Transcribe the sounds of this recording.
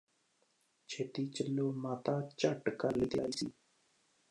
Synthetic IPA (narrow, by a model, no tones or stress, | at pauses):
t͡ʃʰeːʈ̪iːt͡ʃəlːoːmaːt̪aːt͡ʃəʈkəlːiːt̪ɪjaːiːsḭː